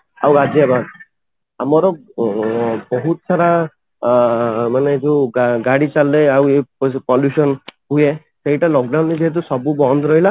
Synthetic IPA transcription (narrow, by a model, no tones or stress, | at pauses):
a̰wad͡ʒabad̪ | amɔɾɔ | bɔɦut̪̚sʰaɾa | maned͡ʒuɡaɡaɽit͡ʃaleawepɔljusɔnhuje | seɦiʈalɔk̚ɖawneziɦɛt̪̬usɔbubɔnd̪ɾɔɦila